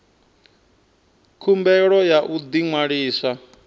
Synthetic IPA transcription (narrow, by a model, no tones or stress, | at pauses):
kʰumbɛɺɔjaʔud̪iŋwaɺiːsa